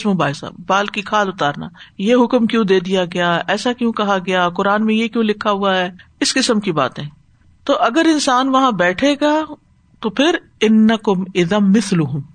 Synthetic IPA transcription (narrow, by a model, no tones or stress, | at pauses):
smʊbaːsa̰ːbbaːlkikʰaːlʊt̪aːɾna̰ːjeɦʊkmkjõːd̪eːd̪ijaɡɐjaːɛːsakjõːkɐɦaɡɐjakʊɾaːnmẽjekjõːlɪkʰːaɦʊaɦɛːɪskɪsəmkiba̰ːt̪ẽː | t̪oːʔɐɡəɾɪ̃nsaːnʋɐɦãbɛːʈʰeːɡaː | t̪opʰɪɾ | ɪnːɐkʊmɪðamɪslʊɦʊm